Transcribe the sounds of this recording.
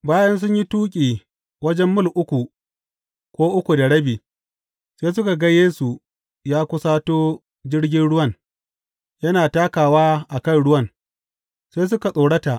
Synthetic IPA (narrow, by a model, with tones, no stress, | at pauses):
baː˦jɐ˦ns̬ʊ˦ɲji˦tuː˦kʲʼiː˨ | wɐ˦d͡ʒɛ˦mːʊ˦˨lʔʊ˦kʷu˨ | kʷoː˦ʔʊ˦kʷu˨da˨ɽɐ˦biː˨ | seː˦s̬ʊ˦ka˨ɡɐ˦jeː˦su˨ | jaː˦kʷʊ˦saː˦toː˦ | d͡ʒɪ˦ɽɡʲɪ˦nɽʊ˦wɐ˦˨n | jɐ˦naː˨taː˦kaː˨waː˦ʔa˨kɐ˦˨nɽʊ˦wɐ˦n | seː˦s̬ʊ˦ka˨sʼoː˨ɽɐ˦ta˨ʔ